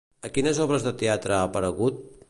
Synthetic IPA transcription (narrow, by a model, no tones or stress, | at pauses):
əkinəzɔβɾəzðət̪eat̪ɾəaːpəɾəɣ̞ut̪̚